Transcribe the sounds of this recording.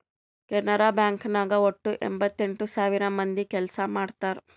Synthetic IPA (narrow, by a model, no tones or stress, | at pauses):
kɛnːɐɾaːbjaːŋknaːɡɐoʈːuʔḛmbɐt̪ːe̞ɳʈusaːʋiɾɐmɐnd̪ikɛlɐsɐmaːɽt̪aːɾu